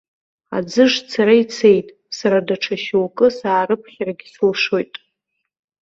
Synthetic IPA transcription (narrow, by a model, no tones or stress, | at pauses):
a̰d͡zɨʐt͡sʰaɾait͡sʰe̞jtʼ | saɾadaʈ͡ʂʰaʃuwkʼɨsaːrɨpʰχʲaraɡʲɪsulʂo̞jtʼ